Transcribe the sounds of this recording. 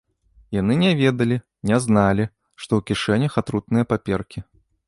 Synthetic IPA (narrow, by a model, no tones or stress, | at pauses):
janɨnʲɛvʲɛd̪ɐlʲi | nʲɛznalʲi | ʂt̪ɔwkʲiʂɛnʲɐxat̪ɾut̪̚nɨjɐpapʲɛrkʲi